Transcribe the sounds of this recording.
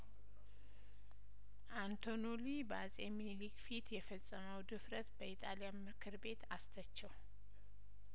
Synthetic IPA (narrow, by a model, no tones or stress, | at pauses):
ʔant̪ʰonolibazʼemilikfit̪jɛfəsʼːəməwd̪ɨfɾət̪bəit̪ʼalijamɨkʰɨɾbe̞t̪ast̪ʰət͡ʃːɛw